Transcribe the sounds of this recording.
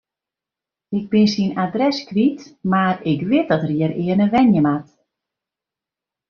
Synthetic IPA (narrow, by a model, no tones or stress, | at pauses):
ɪk̚bɪnsinadrɛskritmarɪkʋɪt̚dɔtəriəɾɪənəʋɛnjəmat